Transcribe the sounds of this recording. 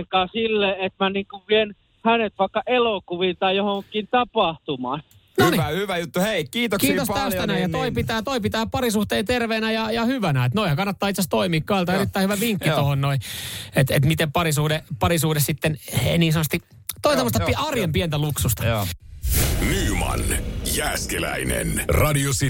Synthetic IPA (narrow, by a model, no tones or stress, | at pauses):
ŋkɑːsilːeet̪mæniŋkuʋʋien | hænet̪ʋɑˑikːɑʔelokuʋint̪ɑijohoŋkːˑint̪ɑpɑht̪umɑ | nonihyʋæjut̪ːuheikiːt̪okiːtosælst̪ænæijɑt̪oipit̪æːt̪oipit̪æːpɑrisuht̪eːt̪erʋeːnæjɑjɑhyʋænæet̪noihækɑnːɑt̪ːɑːit̪sæst̪oimiːkkɑelt̪ɑeɾit̪ːæihyʋæʋiŋkːit̪ohonnoiet̪et̪mit̪empɑrisuhdepɑɾisuhdessit̪ːeneniːnsɑnːˑɑst̪i | t̪oisemːost̪ɑpiʔɑrjempient̪æluksust̪ɑ | miumɑ̰njæːskelæ̰inḛnrɑdiosi